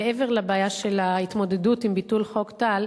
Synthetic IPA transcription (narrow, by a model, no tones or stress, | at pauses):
eʔeve̞ʁlabaːjaʃe̞lahit̪mo̞de̞dutimbitulχo̞kt̪al